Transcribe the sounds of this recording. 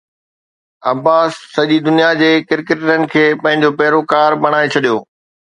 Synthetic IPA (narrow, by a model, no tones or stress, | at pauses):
ɐbaːsːɐʄid̪ʊnijad͡ʑeːkɪɾkeʈənɪ̆kʰeːpɐ̃ɦɪ̃ɲ̆d͡ʑopɐɦɪɾokaːɾbɐɽ̃aːet͡ɕʰɐɗijoː